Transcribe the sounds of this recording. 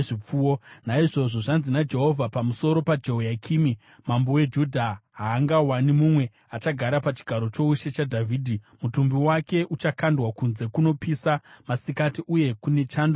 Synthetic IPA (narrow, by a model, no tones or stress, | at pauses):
ʐip͡fuːwonaiʐo̞ʐo̞ʐanzinad͡ʒe̞ɦo̞vʱapamuso̞ɾo̞pad͡ʒeojakʰiːmi | mambowe̞d͡ʒudʱaɦaːŋɡawanimumwe̞ | at͡ʃaɡʱaɾapat͡ʃi̥ɡʱaɾo̞t͡ʃo̞uʃe̞t͡ʃadʱavʱiːdʱi | mutumbiwake̞ʔut͡ʃakandwakunze̞kuno̞pisamasikatiʔuje̞kune̞t͡ʃaːndo